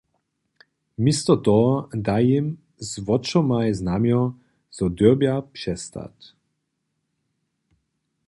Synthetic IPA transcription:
mist̪ɔt̪ɔd̪ajim | zvɔt͡ʃɔmajznamjɔ | z̥ɔd̪øbjapʂɛst̪a̰t̪

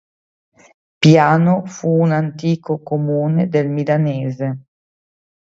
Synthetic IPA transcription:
pjaːnofuːnant̪iːkokomuːned̪elmilaneːze

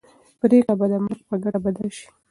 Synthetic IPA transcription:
pɾeɣabad̪əməɾɡpəɡaɽabad̪alʃi̥

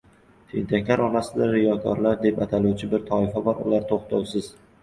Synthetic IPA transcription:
ʃʰɪ̰nt̪ʰakʲʰlaɾɒnasɪd̪aɾɪjɒkʰɒ̰ɾlaɾd̪e̞pat̪ʰaluwt͡ʃʰɪbɪɾt̪ʰɒɪfabɒɾʊ̰laɾt̪ʰoχt̪ʰawˠsɪz̥

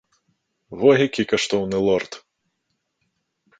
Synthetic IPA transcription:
vɔɦʲakʲikɐʂt̪ɔwnɨlˠɔrt̪

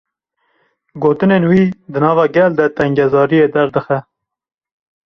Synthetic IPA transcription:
ɡoːt̪ɨneːnwiːd̪ɨnɑːvɑːɡɛld̪ɛt̪ɛŋɡɛzɑːɾijeːd̪ɛɾd̪ɨxɛ

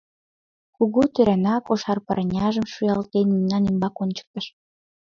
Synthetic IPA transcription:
kuɣut̪øɾænɑkoʃɑrpɑɾnʲɑʒəmʃyjɑlt̪enmimnɑnymbɑkonʲt͡ɕə̥k̚t̪ə̆ʃ

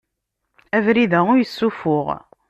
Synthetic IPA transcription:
ævɾiðæʊɾjəsːufʊʁ

